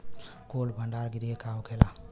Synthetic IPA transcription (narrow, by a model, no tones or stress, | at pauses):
kolbʱəɳɖaɾɡiɾiekaɦokʰela